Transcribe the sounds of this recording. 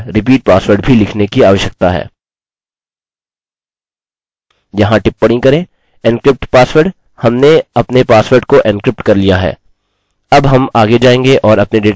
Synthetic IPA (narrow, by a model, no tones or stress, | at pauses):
ɾɪp̬iːʈ̚paːsʋəɾɖbʱilɪkʰnekiaːʋəʃjək̚t̪aɦɛ̰ː | jɐɦãʈɪpːɐɽ̃ĩkɐɾẽː | ɪ̃nkɾɪp̚ʈpaːsʋəɾɖ | hɐmneɐpnepaːsʋəɾɖkoʔɪ̃nkɾɪp̚ʈkɐɾlijaɦɛ̰ː | ɐbɦɐmaːɡed͡ʒaːẽːŋɡeʔɔːɾɐpneɖeːʈ